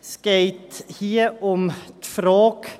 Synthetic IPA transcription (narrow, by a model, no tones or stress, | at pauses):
skeɪt̪hiːɔmt̪fɾoːk